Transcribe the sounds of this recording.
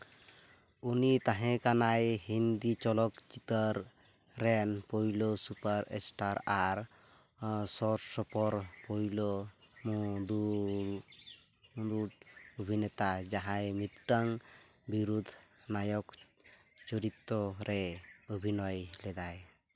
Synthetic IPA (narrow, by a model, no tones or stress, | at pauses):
unit̪aɦɛ̃kanajhind̪it͡ʃɔlɔkt͡ʃit̪əɾː | ɛnpɔjlosupaɾḛsʈaɾaɾ | sɔɾsɔpɔɾpɔjlɔ | mɔd̪u | ud̪uʈobʱinɛt̪ad͡ʒaɦajmit̪ʈaŋ | biɾud̪ʱnajɔk | t͡ʃɔɾit̪ːɔɾɛobʱinɔjlɛd̪aj